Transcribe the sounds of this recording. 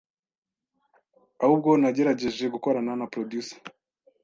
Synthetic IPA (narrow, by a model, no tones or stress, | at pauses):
ahub̚ɡo̞naɟe̞ɾaɟe̞ʒe̞ɡuko̞ɾananapɾodjusḁ